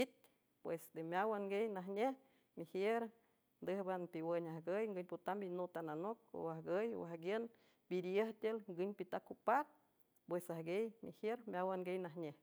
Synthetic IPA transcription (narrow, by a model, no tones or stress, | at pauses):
it̪̚ | pwesd̪emʲjawaŋɡejnaɦɲeh | mihjeɾ | nd̪ɨhbanpiwəɲahɡəjŋɡɨɲʲpot̪ambinot̪ananok̚o̰ahɡəj̰wahɡjən | b̥iɾjəht̪ʲelŋɡɨɲpit̪akupat̪̚ | pwesahɡejmḭhjeɾmjawaŋɡejnaɦɲeh